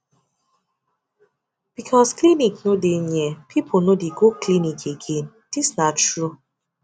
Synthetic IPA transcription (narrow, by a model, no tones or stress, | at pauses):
b̥ikʰɔskliniknodenɛpʰipʰonodeɡoklinikʰeɡẽn | d̥isnattɹu